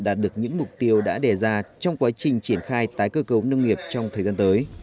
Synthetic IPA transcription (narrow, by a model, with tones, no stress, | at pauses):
ɗaː˨˩t̚ɗɨ˨˩ək̚ɲɨ̰˧˥ŋmʊ˨˩k͡p̚t̪i˧əwɗa̰ː˧˥ɗe˨˩zaː˧t͡ɕɔ˧wŋ͡mkwaː˨˦t͡ɕï˨˩ŋ̟t͡ɕi˧˩ənxaː˧jt̪aː˨˦jkəː˧kə˨˦wnə˧wŋ͡mŋi˨˩əp̚t͡ɕɔ˧wŋ͡mt̪ʰəː˨˩zaː˧nt̪əː˨˦j